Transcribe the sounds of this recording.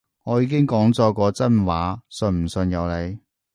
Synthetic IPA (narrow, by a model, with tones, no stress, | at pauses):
ŋɔː˨˧jiː˧kɪ˥ŋkɔː˨˥ŋt͡sɔː˧kɔː˧t͡sɐ˥nwaː˨˥sɵ˧nm̩˨˩sɵ˧njɐ˨˧wle˨˧j